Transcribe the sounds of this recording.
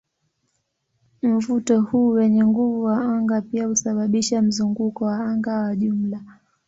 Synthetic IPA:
m̩vutɔhuːwɛɲɛŋɡuvuwaaŋɡapiahusaɓaɓiʃam̩zuŋɡukɔwaaŋɡawaʄum̩la

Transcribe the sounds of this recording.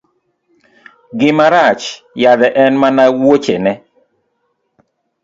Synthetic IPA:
ɡɪmaɾat͡ʃ | jad̪ɛʔɛnmanawot͡ʃenɛ

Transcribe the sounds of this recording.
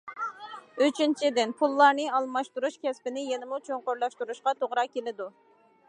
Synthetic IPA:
øt͡ʃʰint͡ʃʰid̪ɪnpʰulˠːɑɾnɨɑlˠmɑʃt̪uɾuʃkʲɛspɪnɪjenɪmut͡ʃʰoŋqoɾlˠɑʃt̪uɾuʃqɑt̪ʰoʁɾɑkʲʰelɪd̪u

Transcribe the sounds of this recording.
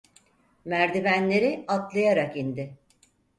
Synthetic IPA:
mæɾd̪ibænlʲe̞ɾɪat̪lˠajaɾakind̪ɪ

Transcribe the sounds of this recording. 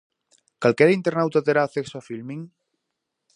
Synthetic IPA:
kalkeɾaint̪eɾnawt̪at̪eɾaθeksoafilmiŋ

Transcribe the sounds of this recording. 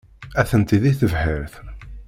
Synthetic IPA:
æθənt̪iðiθəvhəɾθ

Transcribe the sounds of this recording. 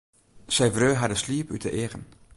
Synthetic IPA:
sɛjvrøːɦadəsliːpytʰəʔeːʁən

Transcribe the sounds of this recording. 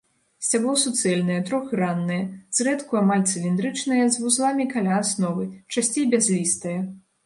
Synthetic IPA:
sʲt͡sʲablˠɔsut̪sɛlʲnɐjɛt̪ɾɔxranːɐjɐz̥ɾɛt̪kuamalʲt̪sɨlʲind̪ɾɨt͡ʂnɐjɐzvuzlˠamʲikalʲaːsnɔvɨt͡ʂasʲt͡sʲejbʲazʲlʲist̪ɐjɐ

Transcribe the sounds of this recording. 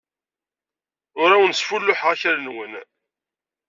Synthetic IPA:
ʊɾawənsfulːʊħʁaçæɾnwən

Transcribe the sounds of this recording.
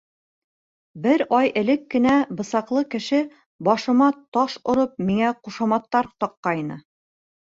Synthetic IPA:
bɘɾɑjɘ̆lɘkːɘ̆næbɤ̆sɑqlˠɤkɘ̆ʃɘ | bɒʃɤ̆mɑt̪ɑʃŏɾɤp̚miŋæquʃɑmɑt̪ːɑɾt̪ɒqːɑjnɤ̰

